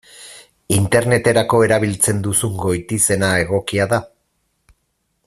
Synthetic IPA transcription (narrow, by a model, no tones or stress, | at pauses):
int̪e̞ɾne̞t̪e̞ɾako̞e̞ɾaβ̞ilt͡se̞nd̪usuŋɡo̞jt̪ise̞nae̞ɣo̞kiaða